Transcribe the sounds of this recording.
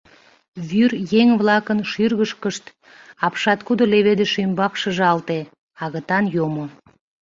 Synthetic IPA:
βyrjeŋβlɑkənʃyrɣəʃkəʃt̪ | ɑpʃɑt̪kud̪oleβed̪eʃymbɑkʃəʒɑlt̪e | ɑɣət̪ɑnjomo

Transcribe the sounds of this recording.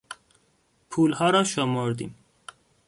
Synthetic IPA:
pʰuːlhɑːɾɑːʃɔmoɾd̪ḭːm

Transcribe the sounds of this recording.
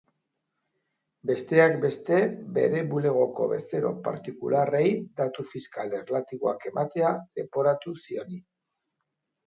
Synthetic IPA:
be̞st̪e̞akbe̞st̪e̞be̞̰ɾe̞βule̞ɣ̞o̞ko̞̰βe̞st̪e̞ɾo̞̰pa̰ɾt̪ikṵlarejd̪at̪ufiskalerlat̪iβo̞ake̞mat̪e̞ad̪e̞̰po̞ɾat̪usio̞ni

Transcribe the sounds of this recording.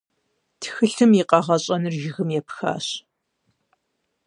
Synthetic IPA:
tʰxɨɬɨmjiqɐʁɐɕʼɐnɨrʒɪɣɨmjɛpʰxa̰ːɕ

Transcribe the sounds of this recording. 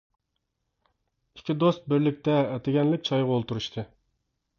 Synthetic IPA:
ikʲid̪ost̪̚bɪɾlɪk̚ʲt̪ɛɛt̪ʰɪɡʲɛnlɪk̚ʲt͡ʃʰɑjʁɑolˠt̪uɾuʃt̪ʰɨ

